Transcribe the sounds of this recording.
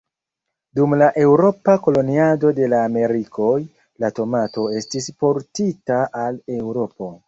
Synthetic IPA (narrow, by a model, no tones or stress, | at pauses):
dumlaʔe̞wɾo̞pako̞lo̞niado̞de̞laːme̞ɾikʰo̞j | lato̞mato̞e̞stispo̞ɾtitaʔale̞wɾo̞po̞